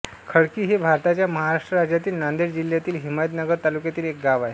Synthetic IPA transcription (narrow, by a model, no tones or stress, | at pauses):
kʰəɽkiːɦebʱaɾt̪at͡ɕjaməɦaɾaʂʈɾəɾad͡ʑjat̪iːlnand̪eɾd͡ʑil̤jat̪iːlɦimajt̪nəɡəɾt̪alukjat̪iːlek̚ɡaʋaɦe